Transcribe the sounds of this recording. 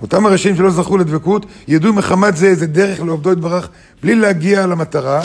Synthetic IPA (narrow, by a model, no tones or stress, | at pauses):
otamaʁeʃaimʃelo̞zaχuled̪vekut̪jadumeχamatzeezed̪eʁeχleovd̪o̞id̪baʁaχ | blilehaɡialamat̪aʁa